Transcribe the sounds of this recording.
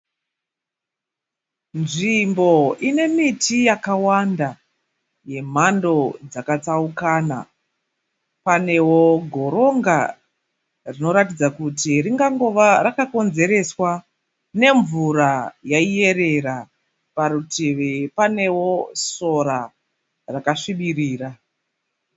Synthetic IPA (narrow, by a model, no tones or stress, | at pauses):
nʐimbo̞ine̞mitʰijakawanda | je̞m̤ando̞d͡zakat͡saukaːna̰ | pane̞woɡʱo̞ɾo̞ŋɡa | rino̞ɾatid͡zakutiriŋɡaŋɡoʋaɾakako̞nze̞ɾe̞swa | ne̞ɱvuɾajaije̞ɾe̞ɾa | paɾuteʋepane̞wo̞so̞ɾa | rakaʂiɓiriːra